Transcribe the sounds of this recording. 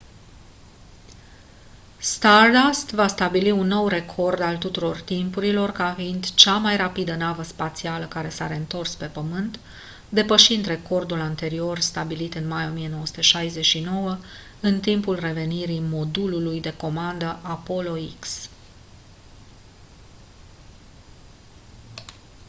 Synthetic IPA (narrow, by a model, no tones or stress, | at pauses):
st̪ard̪ast̪vast̪abiliunːo̞wre̞kʰo̞rd̪alt̪ut̪uɾo̞rt̪impuɾilo̞rkafind̪t͡ʃamajrapid̪ənavəspat̪sialəkaɾe̞saɾe̞ɨnt̪o̞rspe̞pəmɨnt̪ | d̪e̞pəʃind̪re̞ko̞rd̪ulant̪e̞ɾio̞rst̪abilit̪ɨnmajo̞mije̞no̞wəsu̥t̪eʃajze̞ʃino̞wə | ɨnt̪impulre̞ve̞niɾimo̞d̪ululujd̪e̞ko̞mand̪əʔapo̞lo̞iks